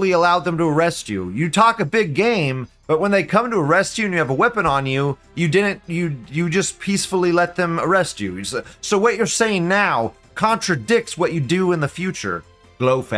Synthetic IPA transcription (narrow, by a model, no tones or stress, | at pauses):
lˠiəlaʊd̪̚ðə̃mtəə˞ɛst͡ʃʉ̰jɨtʰɔkɨbɪɡẽɪ̃mb̥ʌt̚wə̃nðeɪkʰʌ̃mtəə˞ɛst͡ʃʉɨ̃njɨːvəwɛpɨ̃nə̃njʉ | jɨdɪdⁿn̩tɨjɨd͡ʒʌspʰisfl̩ˠilɛt̪̚ðɨ̃mə˞ɛst͡ʃʉ̰soʊwʌt͡ʃə˞seɪɪ̃ŋnaʊ | kʰɑ̃ntɹ̥ɨdɪk̚tswʌt͡ʃɨdɨɪ̃nðɨfjʉt͡ʃə̰˞ | ɡ̥loʊfæ̰